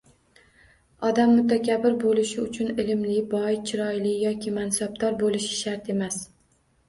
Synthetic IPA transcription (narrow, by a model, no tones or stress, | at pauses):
ɒd̪amːʊt̪akʲʰabɪɾbolɪʃɪʊt͡ʃʰʊnɪlɪmlɪbɒjt͡ʃʰɪɾɒjlɪjɒkʲʰɪmansab̚d̪ɒɾbolˠɪʃɪ̥ʃaɾt̪e̞mas